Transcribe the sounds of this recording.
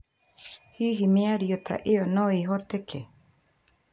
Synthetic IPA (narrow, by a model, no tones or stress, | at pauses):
hiɦimĩaɾiot̪ʰa̰ʔeonõiɦot̪ekʰe